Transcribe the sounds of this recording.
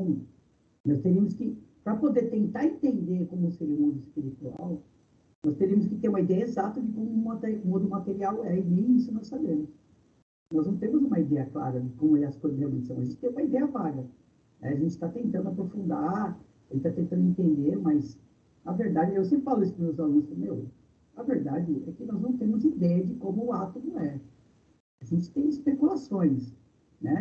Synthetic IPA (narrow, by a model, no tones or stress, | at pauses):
nɔst̪eɾiɐmʊskɪpɾɐpod̪eɾt̪ẽnt̪aɾẽnt̪ẽnd̪eɾkõmʊseɾiɐʊmɔ̃d̪ʊɪspiɾit̪ua̰w | nɔst̪eɾiɐmʊs̬kɪt̪eɾũmɐid̪ɛjɐezat̪ɐd͡ʒɪkõmʊ̃mat̪ũmɔ̃d̪ʊmat̪eɾiawɛid̪ẽj̃isʊnɔssabẽmʊs | nɔznɐ̃w̃t̪ẽmʊzũmɐid̪ɛjɐkla̰ɾɐd͡ʒɪkõmʊɛɐskojzɐzhewmḛ̃t͡ʃɪsɐ̃w̃ɐʒẽt͡ʃɪ̥t̪ẽũmɐid̪ɛjɐklaɾɐ | nɛ̰aʒẽnt͡ʃɪ̥t̪at̪ẽnt̪ɐ̃nd̪ʊapɾofũnd̪a | ʒẽt͡ʃɪt̪at̪ẽnt̪ɐ̃nd̪ʊẽnt̪ẽnd̪eɾmɐs | ɐveɾd̪ad͡ʒɪews̬ẽpɾɪfalʊesʊ̥pmewzalunsfɐmew | ɐveɾd̪ad͡ʒɪɛkɪnɔznɐ̃w̃t̪̬ẽmʊzid̪ɛjɐd͡ʒɪkõmʊːat̪omʊɛ | aʒẽnt͡ʃɪ̥t̪ẽj̃ɪspekulasõj̃s | nɛ